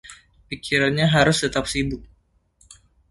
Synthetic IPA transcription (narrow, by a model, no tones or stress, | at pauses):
pikiɾanɲaɦaɾʊst̪ət̪ap̚sidʊk̚